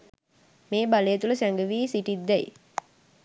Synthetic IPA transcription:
meːbalejət̪uləsæŋɡəʋiːsiʈid̪ːɛj

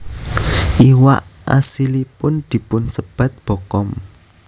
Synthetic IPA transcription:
ʔiwa̰ʔa̰silipʊnd̪̥i̤pʊnsəb̥ä̤t̪̚b̥o̤kɔm

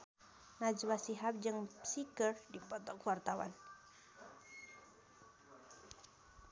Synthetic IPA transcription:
nad͡ʒwasiɦap̚d͡ʒɨŋsikərdipɔt̪ɔkuwart̪awa̰n

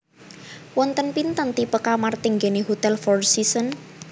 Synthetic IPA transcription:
wɔnt̪ənpint̪ənt̪ipəkamart̪iŋɡeniɦut̪ɛlfɔrsisən

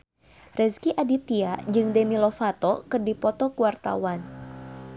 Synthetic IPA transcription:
rɛskiʔadit̪iad͡ʒɨŋdɛmilɔfat̪ɔkɨrdipɔt̪ɔkuwart̪a̰wan

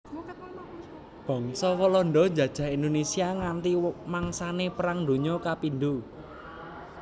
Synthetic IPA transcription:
b̥ɔ̤ŋsɔwɔlɔnɖ̪ɔ̥d͡ʒä̤d̥ʒ̥ä̤ɦind̪onesiaŋant̪imaŋsanepəɾaŋd̪o̤ɲɔkapind̪u

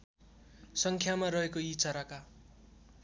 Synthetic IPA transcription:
sʌŋkʰjamarʌɦekoit͡sʌɾaka

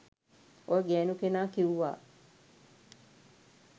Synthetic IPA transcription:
ojəɡɛːnukenaːkiuʋa̰ː

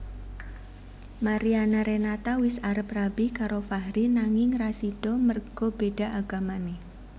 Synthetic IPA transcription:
maɾianaɾenat̪awɪsaɾəprabikaɾofahɾinaŋɪŋrasid̥ɔmərɡ̥ɔb̥eɖ̥a̤ʔaɡ̥amane

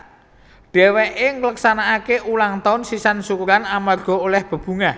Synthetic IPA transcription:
ɖ̥ɛ̤weʔeŋələksanaːkeʔulaŋt̪aʊnsisansukuɾanamarɡ̥ɔ̤olɛhb̥ə̤b̥ṳŋa

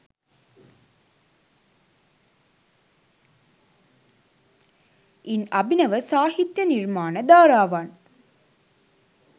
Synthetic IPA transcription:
inɐbinɐʋəsaːhit̪jɐnirmaːnəd̪aːɾaːʋan

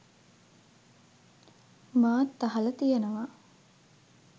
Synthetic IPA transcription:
maːt̪ːɐɦɐlɐt̪ijenɐʋaː

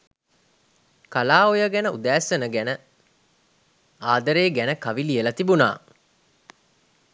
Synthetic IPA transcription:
kɐlaːojəɡænəud̪æːsənəɡænə | aːd̪ɐɾeːɡænəkɐʋilijəlɐt̪ibuna̰ː

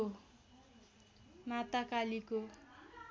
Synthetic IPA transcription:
o | mat̪akaliko

